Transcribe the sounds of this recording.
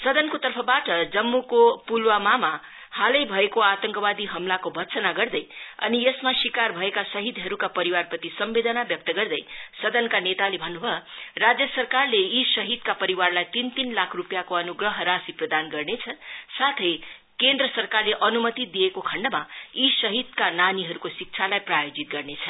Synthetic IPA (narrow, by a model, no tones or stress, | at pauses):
sʌd̪ʌnkot̪ʌrpʰʌbaʈʌd͡zʌmːukopulwamama | halʌjbʱʌekoat̪ʌŋkʌbad̪iɦʌmlakobʱʌtsʌnaɡʌrd̪ʌjʌ̰niesmasikarbʱʌekasʌɦid̪ʱɦʌɾukapʌɾiwarpʌt̪isʌmbed̪ʌnabjʌk̚t̪ʌɡʌrd̪ʌjsʌd̪ʌnkanet̪alebʱʌnːubʱʌrad͡zjʌsʌrkarleisʌɦid̪kapʌɾiwarlajt̪int̪inlakʰrupjakoʌnuɡrʌɦɾasiprʌd̪anɡʌrnet͡sʰʌsat̪ʰʌj | kend̪rʌsʌrkarleʔʌnumʌt̪id̪ijekokʰʌɳɖʌmaisʌɦid̪kananiɦʌɾukosik̚t͡sʰalajprajod͡zit̪̚ɡʌrnet͡sʰʌ